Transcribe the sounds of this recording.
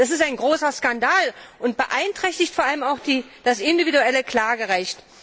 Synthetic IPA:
d̥as̬ɪstaɪnɡʁoːsɐskandaːlʊnt̚b̥əʔaɪntʁ̥ɛçtɪçtfoɐaləmaʊxd̥iː | d̥asɪndividuɛləkl̥aːɡəʁɛçt

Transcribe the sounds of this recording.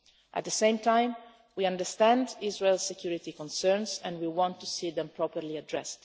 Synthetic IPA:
ʔæ̰t̪̚d̪əsẽjmt̪ʰãj̃m | wiãndəst̪æ̃ndizɹelsɛkjuɹit̪ikɔ̃nsɛɹnsɛ̃ndwiwɔ̃nt̪ːusid̪ɛ̃mpʰɹɔpəɾliadɹɛ̰st̪

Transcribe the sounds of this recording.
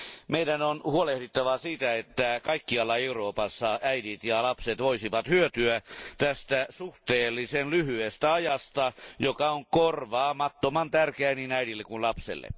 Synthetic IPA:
meidænonhuolehdit̪ːɑʋɑsiːt̪æet̪ːækɑikːiɑlːɑeuroːpɑsːɑæidit̪jɑlɑpset̪ʋoisiʋɑt̪hyøt̪yæt̪æst̪æsuht̪eːlːisenlyhyest̪æɑjɑst̪ɑjokɑoŋkorʋɑːmɑt̪ːomɑnt̪ærkeæininæiɾilːekunlɑpsḛlːḛ

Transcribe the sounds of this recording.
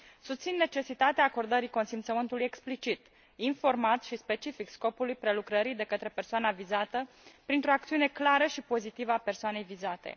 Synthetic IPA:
sust̪sinːet͡ʃe̞sit̪at̪eaːko̞rd̪əɾiko̞nsimt̪səmɨnt̪uluje̞ksplit͡ʃit̪ | info̞rmat̪sʲʃispe̞t͡ʃifiksko̞pulujpɾe̞lukɾəɾid̪e̞kət̪ɾe̞pe̞rsoanavizat̪ə | pɾint̪ɾo̞ak̚t̪siune̞klaɾəʃipo̞zit̪ivəape̞rsoane̞jvizat̪e̞̰

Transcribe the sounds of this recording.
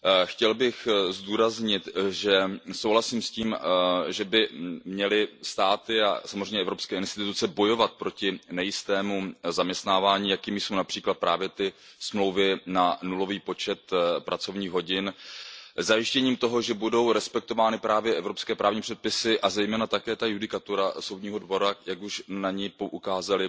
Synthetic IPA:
xcɛlbɪxzduːɾazɲɪt̪ʒɛsowɦlasiːmsciːmʒɛbɪmɲɛlɪst̪aːt̪ɪa̰samozrɛjɲɛʔɛvɾo̞pskɛːɪnst̪ɪt̪ut͡sɛbo̞jo̞vat̪̚pɾo̞cɪnɛjɪst̪ɛːmuzamɲɛst̪naːvaːɲiːjakiːmɪjso̞wnapr̥iːklat̪̚pɾa̰ːvjɛt̪ɪsmlo̞wvɪnanulo̞viːpo̞t͡ʃɛt̪pɾʔat͡so̞vɲiːɣɦo̞ɟɪn | zajɪʃcɛɲiːmt̪o̞ɦo̞ʒɛbudo̞wɾɛspɛk̚t̪ovaːnɪpɾaːvjɛʔɛvɾo̞pskɛːpɾaːvɲiːpr̝̥ɛt̪̚pɪsɪʔazɛjmɛːnat̪akɛːt̪ajudɪkat̪uɾaso̞wdɲiːɦo̞dvo̞ɾajakuʃnaɲipoʔukaːzalɪ

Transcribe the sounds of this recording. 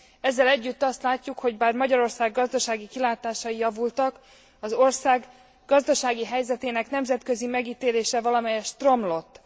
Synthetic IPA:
ɛzːɛlɛɟːyt̪ːɒst̪laːcːukho̞ɟbaːrmɒɟɒɾo̞rsaːɡːɒzd̪ɒʃaːɡikilaːt̪aːʃɒjijɒvult̪ɒk | ɒzorsaːɡ | ɡɒzd̪ɒʃaːɡiɦɛjzɛt̪eːnɛknɛmzɛt̪kø̞zimɛɡiːt̪eːleːʃɛvɒlɒmɛjɛʃt̪ro̞mlo̞t̪ː

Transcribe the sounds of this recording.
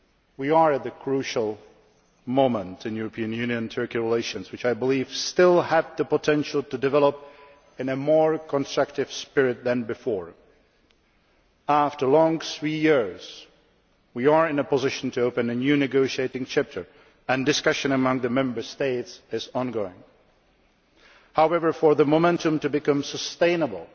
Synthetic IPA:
wiə˞ɨt̪̚ðɨkʰɹ̥ʉʃəl̩ˠ | mõʊ̃mə̃ntʰɨ̃njʉɹəpʰĩɨ̃njʉ̃njɨ̃ntʰɜ˞kiɹɪleɪʃɨ̃nzwɨt͡ʃaɪbəliv̥stɪlˠəv̚ðɨpətʰɛ̃nʃl̩ˠtɨdɨvɛlˠəp̚ | ɨ̃nɨmɔɹkʰə̃nstɹ̥ʌk̚tɨv̥spɪɹɪt̪̚ðɨ̃nbɨfɔɹ | æftə˞lɔ̃ŋθɹijɪɹz | wiə˞ɪ̃nəpəzɪʃə̃n̩tɨoʊpɨ̃nɨnjʉnɨɡoʊʃieɪɾɪ̃ŋt͡ʃʰæp̚tʰə˞ | ɨ̃ndɨskʌʃɨ̃nəmʌ̃ŋðɨmɛ̃mbə˞steɪtsɪzɔ̃nɡoʊɪ̰̃ŋ | haʊɛvə˞fə˞ðəmomɛ̃ntɨ̃mtɨbɨkʌ̃msəstẽɪ̃nəbl̩ˠ

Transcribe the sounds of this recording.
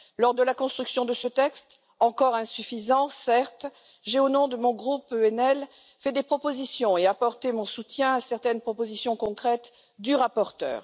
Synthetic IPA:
lɔʁd̪əlakɔ̃st̪χyksjɔ̃d̪əsət̪ɛkst̪ | ɑ̃kɔʁɛ̃syfizɑ̃sɛʁt̪ | ʒeonɔ̃d̪əmɔ̃ɡʁupøɛnɛl | fɛd̪epχɔpozisjɔ̃eapɔʁt̪emɔ̃sut̪jɛ̃asɛʁt̪ɛnpχɔpozisjɔ̃kɔ̃kχɛt̪ | d̪yʁapɔʁt̪œ̰ːʁ

